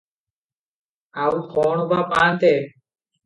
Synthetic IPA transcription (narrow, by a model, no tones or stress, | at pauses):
aːuxoːɳobaːpaːnt̪eː